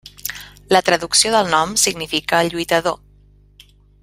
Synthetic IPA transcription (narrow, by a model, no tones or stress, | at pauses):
lət̪ɾəðuksioðəlˠnɔmsiɡnifikəːʎujt̪əðo